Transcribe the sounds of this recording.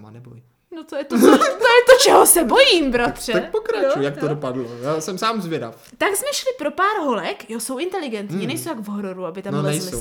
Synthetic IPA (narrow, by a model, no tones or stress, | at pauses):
ma̰nɛbo̰ji | not̪ojɛt̪oot̪ojɛt̪ot͡ʃɛɦosɛbo̞jiːmbɾat̪r̝̥ɛak̚pokɾat͡ʃujjakt̪odopadlojaːsɛmsaːmzvʲjɛda̰f | t̪aɡzmɛʃlɪpɾo̞paːɾɦo̞lɛkjoso̞wʔɪnt̪ɛlɪɡɛnt̪ɲiːnɛjsowt̪aɡvɦoɾoɾuabɪt̪amnonɛjslɪow